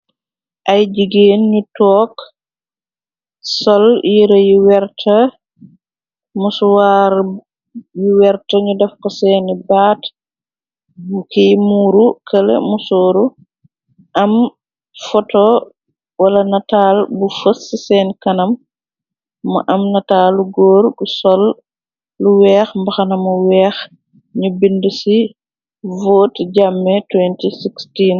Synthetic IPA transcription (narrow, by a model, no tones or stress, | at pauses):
ʔajd͡ʒiɡenɲutɔːk | sɔljiɾɔjiwɛɾtʰa | muswaɾ | jiwɛɾtaɲudafkɔsɛːnibat | mukijmuːɾukalɛ̰musoːɾu | ʔɐm | fɔtɔ | wɐlɐnɐtaːlbufəsisɛːnkɐnɐm | ɐ̰ʔɐmnɐtaːlːuɡɔːɾbusɔlː | uwɛːxmbɐxɐnɐmuwɛːx | ɲubindusi | voːtɟamːɛtwɛntisikstiːn